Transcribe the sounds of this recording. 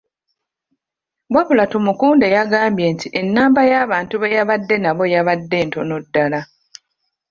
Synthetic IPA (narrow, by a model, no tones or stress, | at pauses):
ɡwaβulatomukuːnde̞jaɡaːmbje̞ːntiʔe̞nːaːmbajaːβaːntuβejaβadːe̞naβo̞jaβadːe̞ːnto̞nodːala